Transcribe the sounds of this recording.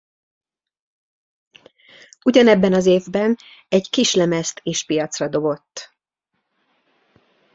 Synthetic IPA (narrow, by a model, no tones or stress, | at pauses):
uɟɒnɛbːɛnɒzeːvbɛnɛɟkiʃlɛmɛst̪ʰeːʃpijɒt̪srɒd̪o̞bo̞t̪ː